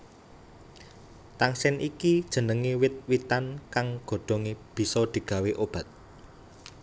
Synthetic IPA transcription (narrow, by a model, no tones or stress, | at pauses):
t̪aŋsɛnʔikid̥ʒ̥ə̤nəŋiwɪt̪̚wit̪ankaŋɡ̥o̤ɖ̪̥ɔ̤ŋeb̥i̤sɔd̪̥i̤ɡ̥ä̤weʔob̥ä̤t̪̚